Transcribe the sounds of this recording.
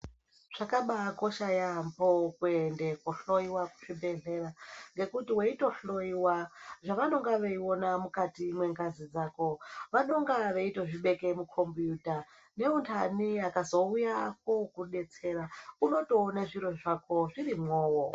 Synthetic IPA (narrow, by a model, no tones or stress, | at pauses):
ʐ̥akaɓaɡo̞ʃajampokuendekuɬo̞iwaku̥ʐ̥ibʱe̞ɮe̞raŋɡe̞kutiweito̞ɬo̞iwaʐaʋano̞ŋɡaʋeio̞namukatimwe̞ŋɡazid͡zaːko̞ʋano̞ŋɡaʋe̞itoʐiɓe̞ke̞mukʰo̞mbjuːta | ne̞untʰaniakazo̞ujako̞kuɗe̞t͡se̞ɾauno̞to̞ːnaʐiɾo̞ʐakʰo̞ʐiɾimwoːwo